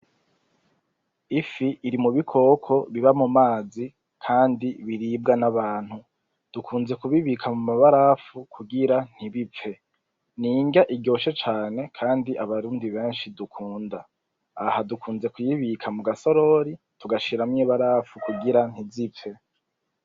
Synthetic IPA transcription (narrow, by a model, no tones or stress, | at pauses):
ifiʔːɾimuβikʰo̞kʰo̞βiβamumaːzi | kʰaːndiβiɾiːb̚ɡanaβaːn̥hu | d̥ukʰuːnze̞kuβiβikʰamumaβaɾaːfukʰuɡiɾan̥hiβip͡fe̞ | niːŋɡaʔibɟo̞ːʃet͡ʃaːne̞kʰaːndiʔaβaɾuːndiβe̞ːnʃidukʰuːndaː | hadukʰuːnze̞kujiβikʰamuɡaso̞ɾo̞ɾi | tuɡaʃiɾamɲiːβaɾafukuɡiɾan̥izip͡fe̞